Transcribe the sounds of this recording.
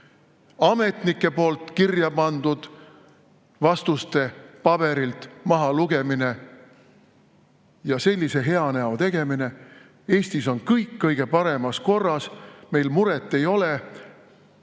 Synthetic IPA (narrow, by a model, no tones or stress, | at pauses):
ɑme̞t̪nikːe̞po̞ːlt̪ˑkirjɑpɑnd̪̥ud̪̥ | vɑst̪ust̪e̞pɑb̥e̞ɾilt̪mɑɦɑluɡ̥e̞mine̞ | jɑse̞lʲːise̞ɦe̞ɑnæot̪e̞ɡ̥e̞mine̞ | e̞ːsʲt̪iso̞nkɤjkːɤjɡ̥e̞pɑɾe̞mɑsko̞rːɑsme̞jlmuɾet̪ːˑe̞jo̞le